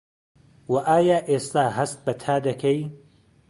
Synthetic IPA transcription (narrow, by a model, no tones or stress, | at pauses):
wɐʔaːjaːʔeːst̪aːɦɐst̪̚bɐt̪ʰaːd̪ɐkʰɐj